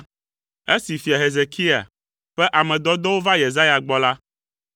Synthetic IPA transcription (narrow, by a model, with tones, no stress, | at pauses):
e˦si˨fi˨a˨ɦe˨ze˨kʰi˦a̰˨ | ɸɛ˦ʔa˨mɛ̃˨d̪ɔ˦d̪ɔ˦wo˦va˦je˨za˦ja˨ɡ͡bɔ˦la˦